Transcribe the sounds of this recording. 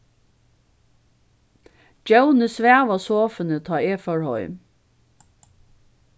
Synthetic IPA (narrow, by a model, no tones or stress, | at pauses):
d͡ʒəʊnəsʋæːʋɑsoːfənət̪ʰɑːeːfœɹhɔ̰ʏ